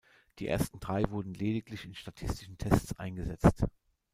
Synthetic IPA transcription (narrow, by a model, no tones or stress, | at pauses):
d̥iːʔḛːɐstn̩d̥ʁaɪvʊɐdn̩leːdɪklɪçɪnʃtatʰɪstɪ̥ʃn̩tʰɛst͡sʔa̰ɪnɡəzɛt͡st